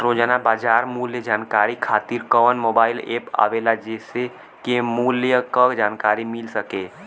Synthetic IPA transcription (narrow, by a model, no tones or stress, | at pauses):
ɾod͡ʒnabaːd͡ʒaːɾmuːljəd͡ʒaːnkaɾikʰaːt̪iɾkɔːnmoːbaːɪlḛːpa̰ːʋelad͡ʒese | kemuːljəkəkd͡ʒaːnkaːɾimɪlsəke